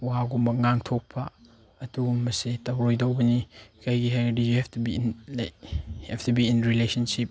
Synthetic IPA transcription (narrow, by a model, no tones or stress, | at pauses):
waɡumbɐŋaŋtʰɔk̚pʰaː | dumɐsetɐwɾojdowbɐnikʰajɡiɦajdujuhɛftubinlakhɛftubiːnɾilesɐnsip̚